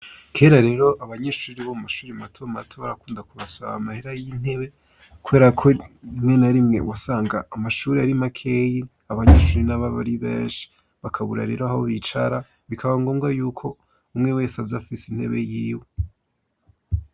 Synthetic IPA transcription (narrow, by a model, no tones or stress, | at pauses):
kʰe̞ːɾaɾe̞ːɾo̞ʔaβaɲeʃuːɾiβomumaʃuːɾimatʰomatʰoːaɾakuːndakuβasoβa̰ːmaheɾajin̥e̞βe̞ | kuβe̞ːɾakʰoimŋe̞naɾimŋe̞̰wasaːŋɡaːmaʃuːɾiaɾimakʰeji | aβaɲeːʃuːɾinaβaβa̰ɾiβḛːnʃi̥ | βakʰaβuɾa̰ɾe̞̰ːɾohaβoβit͡ʃaɾa | βikʰaβaŋɡo̞ːŋɡajuːkʰo̞ | umŋe̞we̞ːsazafisin̥he̞̰βe̞jiːwe